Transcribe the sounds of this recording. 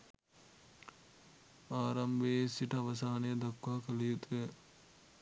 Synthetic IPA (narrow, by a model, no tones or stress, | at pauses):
aːɾɐmbesiʈɐʋɐs̬aːnɐjɐd̪ɐkːwaːkɐlijut̪e